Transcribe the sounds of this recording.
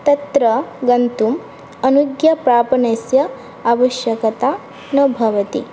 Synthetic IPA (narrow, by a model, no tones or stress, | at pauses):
t̪ɐt̪ɾɐɡɐnt̪um | ɐnuɡjɐpɾaːpɐnɐsjɐ | aʋɐʃjɐkɐt̪aː | nɐbʱɐʋɐt̪ḭ